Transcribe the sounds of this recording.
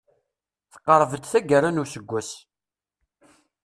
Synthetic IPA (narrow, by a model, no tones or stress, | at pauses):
θə̥qːəɾˤvəd̪θæɡəɾanusəɡʷːæs